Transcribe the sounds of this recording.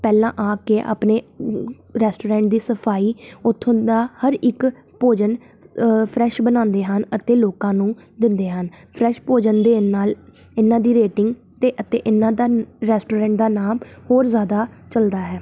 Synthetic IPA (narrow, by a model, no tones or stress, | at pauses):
pɛːlãːʔaːkeːʔa̰ːpneː | ɾɛːsʈoːɾɛ̃ːʈ̚d̪iːsəpʰaːiːʊt̪ʰːõnd̪aːhəɾɪk | poːd͡ʒən | pʰɾɛːʃbənãːnd̪eːɦənət̪eːloːkãːnũːd̪ɪnd̪eːɦən | pʰɾɛːʃpoːd͡ʒənd̪eːnaːl | ɪnãːd̪iːɾeːʈɪŋɡ | t̪eːʔət̪eːʔɪnːãːd̪aːɾɛːsʈoːɾɛ̃ːɳʈ̚d̪aːnaːmhoːɾzjaːd̪aːt͡ʃəld̪aːɦɛː